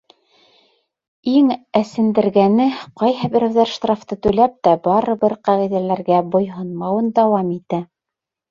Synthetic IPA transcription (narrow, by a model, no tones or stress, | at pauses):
iŋæsɘ̆nd̪ɘ̆ɾɡænɘqɑjɦɤbɘ̆ɾæwðæɾʃt̪raft̪ɤt̪ʉlæp̚t̪æbɑɾɤ̆bɤɾqɑʁiðælæɾɡæbŏjɦɤ̆nmɑwɤnd̪ɑwɑmit̪æ